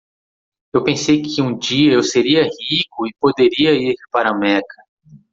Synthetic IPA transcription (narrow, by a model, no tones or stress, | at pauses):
ewpẽsejkʰɪũd͡ʒiɐewseɾiɐhikʊɪpod̪eɾiɐiɾpaɾɐmɛkɐ